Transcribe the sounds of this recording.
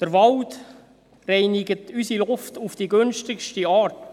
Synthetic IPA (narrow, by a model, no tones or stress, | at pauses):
d̥əɾʋɑlt | rɛɪnɪɡətʰysilʊftufd̥iɡønʃtɪkʃtiɑːɾt